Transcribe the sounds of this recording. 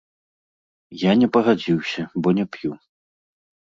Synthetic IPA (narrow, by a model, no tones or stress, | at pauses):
janʲɛpɐɣad͡zʲiwsʲɐbɔnʲɛpju